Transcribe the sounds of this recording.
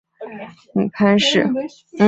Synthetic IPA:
ni˨˩pʰa˥nʂɻ̩˥˩ | n̩˥˩

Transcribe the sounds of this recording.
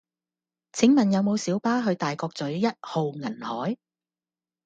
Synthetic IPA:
t͡sʰɪ˨˥ŋmɐ˨njɐ˨˧wmo˨˧wsiː˨˥wpaː˥ɦɵ˨˧ɥt̪aː˨jkɔː˧k̚t͡sɵ˨˥ɥːjɐ˥t̚ho˨wŋɐ˨˩nhɔː˨˥j

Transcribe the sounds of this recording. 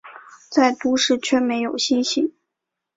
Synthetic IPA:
t͡sa˥˩ɪt̪u˧˥ʂɻ̩˥˩t͡ɕʰɥɛ˥˩me˧˥ɪjo˨˩ʊɕi˥nɕi˥˩˦

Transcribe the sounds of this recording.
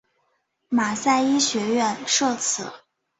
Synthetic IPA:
ma˨˩sa˥˩ɪi˥ɕɥɛ˧˥ɥɛ˥˧nʂɤ˥˧t͡sʰɹ̩˨˩˦

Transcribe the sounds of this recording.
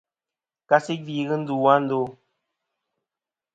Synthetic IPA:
ka˦si˦k̚vi˦ɣɨ˦n̩˦du˨wa˦n̩˦do˦

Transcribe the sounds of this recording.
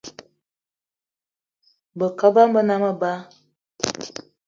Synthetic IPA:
bə˨kə˦ba˦m̩˦bə˦na˦mə˦ba˦

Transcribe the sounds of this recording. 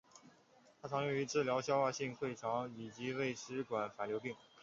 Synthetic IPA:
t̪ʰa˥t͡sʰɑ˧˥ŋjɔ˧˥ŋy˧˥ʈ͡ʂɻ̩˥˩ljɑ˧˥ʊɕjɑ˥xa˥˧ɕi˥˧ŋxwe˥˩ɪʈ͡ʂʰɑ˧˥ŋi˨˩t͡ɕi˧˥we˥˩ɪʂɻ̩˧˥kwa˨˩nfa˨˩ljo˧˥ʊpi˥˩ŋ

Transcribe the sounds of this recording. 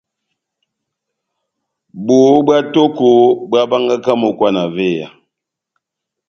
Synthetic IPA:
bo˨˦ba˦to˦ko˨˦ba˦ba˦ŋɡa˦ka˦mo˨kwa˦na˨ve˦˨ja̰˨

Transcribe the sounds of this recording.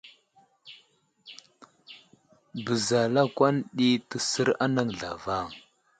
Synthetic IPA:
bə˨za˨la˦kwa˦nɗi˦tə˨sə˦ɾa˦na˦ŋɮa̰˨va˦˨ŋ

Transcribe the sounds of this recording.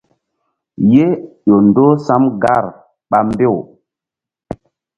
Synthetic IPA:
je˦jo˨ndo˦sa˦mɡa˦˨ɾ | ɓa˦mbe˦˨w

